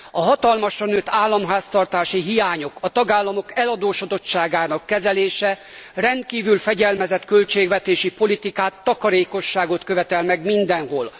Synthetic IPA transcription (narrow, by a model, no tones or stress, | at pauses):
ɒɦɒt̪ɒlmɒʃrɒnøːt̪ʰːaːlːɒmɦaːst̪ɒrt̪aːʃiɦijaːɲo̞kɒt̪ɒɡaːlːɒmo̞kɛlɒd̪oːʃod̪o̞t͡ʃt͡ʃːaːɡaːnɒkːɛzɛleːʃɛrɛnt̪̚kiːvylfɛɟɛlmɛzɛt̪kølt͡ʃeːɡvɛt̪eːʃipo̞lit̪ikaːt̪ːɒkɒɾeːko̞ʃːaːɡo̞t̪kø̞vɛt̪ɛlmɛɡmind̪ɛnɦoːl